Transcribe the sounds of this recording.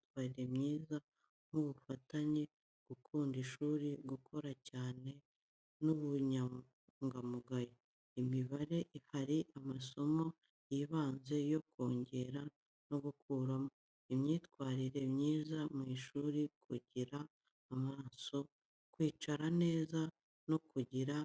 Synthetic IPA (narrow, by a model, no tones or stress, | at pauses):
itwaːɾiɾe̞mɲiːza | m̥uβufataɲe | ɡ̥ukʰuːndiʃuːɾiɡukʰo̞ɾacaːne̞ | nuβuɲa | ŋɡamuɡajo | imiβaɾe̞ʔihaɾiʔamaso̞mo̞ | jiβaːnze̞joko̞ːɲɟe̞ɾa | no̞ɡukʰuːɾamo̞ | imɲiːtkwaːɾiɾe̞mɲiːzamŋiːʃuːɾikʰuɟiɾaː | maːso̞ | kwiːt͡ʃaɾane̞ːza | no̞kuɟiɾa